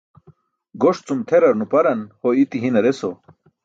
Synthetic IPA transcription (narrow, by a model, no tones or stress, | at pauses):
ɡoʂt͡sumt̪ʰeɾɐɾnupɐɾɐnhoit̪iɦinɐɾeso